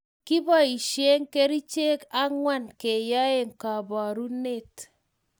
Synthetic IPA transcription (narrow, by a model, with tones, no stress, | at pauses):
ki˦bɔ˦˨i˨ʃje˦ŋke˦ɾi˦t͡ʃe˦ka˦ŋwa˦˨nke˨ja˦e˦ŋka˨ba˨ɾu˦ne˦˨t